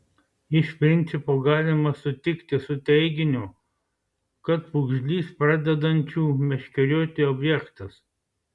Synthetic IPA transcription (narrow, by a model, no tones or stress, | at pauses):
ɪʃpʲɾʲɪnʲt̪sʲɪpoːɡɑːlʲɪmɐsʊt̪ʲɪkt̪ʲɪsʊt̪ʲɛɪɡʲɪnʲʊ | kɐt̪̚pʊɡʒʲlʲiːspɾɑd̪ʲɛd̪ɐnʲt͡ʃʲuːmʲɛʃʲkʲɛɾʲoːt̪ʲɪɔbʲjɛkt̪ɐs